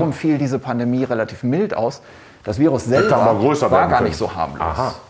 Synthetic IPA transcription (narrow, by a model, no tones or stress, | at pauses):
ʁʊmfiːldiːzəpʰandemiːʁelatʰiːfmɪltʔa̰ʊs | d̥asv̥iːʁʊsz̥ɛamaɡʁøːsɐvaɐɡɡaːɐnɪçtz̥oːha̰ɐmlo̰ːs